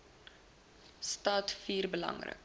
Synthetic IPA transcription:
stɑːtfiːrbəlɐ̰ŋrə̰k

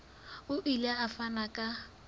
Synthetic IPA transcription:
ʊʔilaafanakʼa

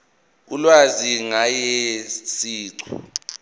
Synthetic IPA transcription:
k̬ulwaziŋajɛsiːǀṵ

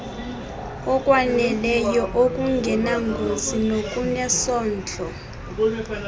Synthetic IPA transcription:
ɔkʼwanɛlɛjɔʔokʼuŋɡʱɛnaŋɡʱozinokʼunɛsɔːnd͡ɮʱʼɔ

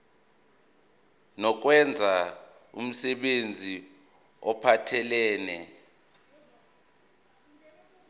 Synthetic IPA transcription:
nɔk̬wɛnd͡zʱa | ṵm̩sɛɓend͡zʱi | ɔpʰatʰɛlɛːnɛ

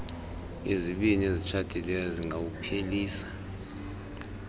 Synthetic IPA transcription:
eziɓiniezit͡ʃʰad̥ʼʱilɛjɔziŋɡawupʰeliːsḁ

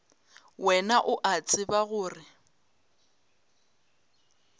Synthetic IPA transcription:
wɛnaʔʊʔat͡sʼɪbaɣʊːrɪ

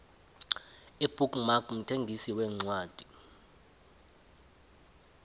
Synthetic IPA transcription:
ib̥ʱukmakm̩tʰeŋɡʱisiwɛːŋ͡ǀwaːd̥ʱi̥

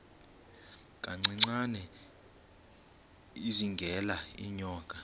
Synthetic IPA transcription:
k̬ʼaŋ͡ǀiŋ͡ǀanɛ | iziŋɡʱɛlaḭɲɔːkʼa

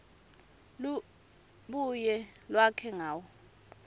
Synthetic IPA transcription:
l | ɓujɛlwakʰɛŋaːwɔ

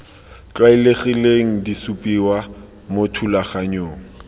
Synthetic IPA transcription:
t͡ɬwaileχileŋ̩disupʼiwa | motʰulaχaɲoːŋ̩

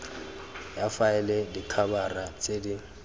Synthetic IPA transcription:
jafaɛlɛdikʰabarat͡sʼeːdi

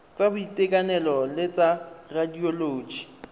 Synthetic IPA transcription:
t͡sʼabʊitʼekʼanɛlɔlɪt͡sʼaradioloːd͡ʒi̥

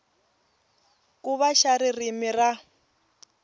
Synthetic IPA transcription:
kuβaʃaɾirimira

